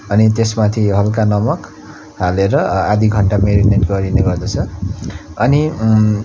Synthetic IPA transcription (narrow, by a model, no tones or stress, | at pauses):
ʌnit̪esmat̪ʰiɦʌlkanʌmʌk | ɦaleɾʌad̪iɡʱʌɳʈameɾiʈmenʈɡʌɾineɡʌrd̪ʌt͡sʰʌ | ʌni